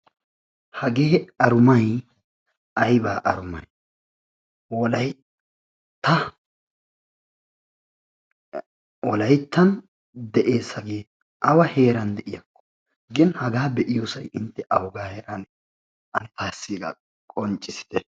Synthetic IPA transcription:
hɐɡeːɐɾʊmɐj | ɐjbaːʔɐɾʊmɐj | wɔlɐj | t̪ːɐ | wɔlɐjt̪ːɐn | d̪ɛʔe̞ːsːɐɡe̞ː | ʔɐwɐhe̞ːɾɐnd̪ɛʔɪjɐkːɔ̥ | ɡɪnhɐɡaːbɛʔɪjoːsɐjɪnt̪ːɛʔɐwɔɡaːheːɾan | ʔɐnɪt̪aːsːiːɡɐ̰ | kʼɔnt͡ʃʼːɪsɪ̥d̪̥ɛ

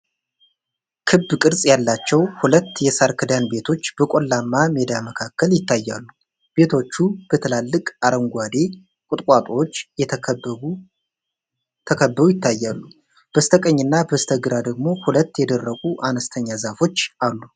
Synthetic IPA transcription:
kʰɨbːkʼɨɾsʼjalːat͡ʃːɛwhulət̪ːjɛsaɾkʰɨd̪anbe̞t̪ʰo̞t͡ʃːbəkʼolːamːamed̪aməkʰakːəljɪt̪ʰːajːa̰lːu | b̥e̞t̪ʰo̞t͡ʃːub̥ət̪ʰəlalːɨkʼaɾəŋɡʷad̪e̞ | kʼʊt̪ʼkʼat̪ʼo̞t͡ʃːɛ | t̪ʰəkʰəbːəɾujɪt̪ʰːajːalːu | b̥əst̪ʰəkʼəɲːɨnːabəst̪ʰəɡɨɾad̪əɡmo̞hulət̪ːjɛd̪ərːəɡʼuʔanəst̪ʰəɲːazafo̞t͡ʃːʔalːu

